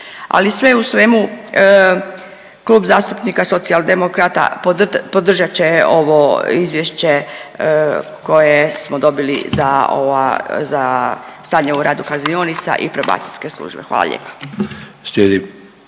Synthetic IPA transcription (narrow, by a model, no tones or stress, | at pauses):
a̰lisʋe̞usʋe̞mu | klˠuːbzaːst̪upnikaso̞t̪siald̪e̞mokɾat̪a̰popod̪r̩ʒat͡ɕeo̞ʋoizʋjeʃt͡ɕe̞ | ko̞jesmod̪o̞bilḭzao̰ʋazast̪aːɲauɾaːd̪ukazioːnit̪sa̰ʔḭpɾoba̰ːt̪ilʲske̞slˠṵːʒbexʋa̰ːla̰ʎʲḛːpḁ | slʲed̪i